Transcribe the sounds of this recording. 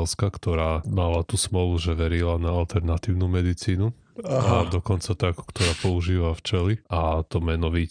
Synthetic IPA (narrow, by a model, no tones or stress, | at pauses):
ɛlskakt̪ɔɾaːmalat̪usmɔluʒɛʋɛɾilanaalt̪ɛɾnat̪iːʊnumɛd̪it͡siːnu | ad̪ɔkɔnt͡sat̪aku̥kt̪ɔɾaːpɔuʒiːʋaft͡ʃɛliʔat̪ɔmɛnɔʋi